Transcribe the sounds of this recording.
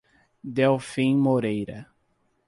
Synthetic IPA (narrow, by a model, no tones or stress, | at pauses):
d̪ewfĩmoɾejɾɐ̰